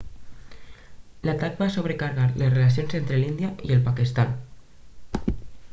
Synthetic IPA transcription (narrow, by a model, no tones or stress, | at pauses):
lat̪ak̚basoβ̞ɾekaɾɣaɾlesrelasjonzent̪ɾelind̪jaʔielˠpakist̪an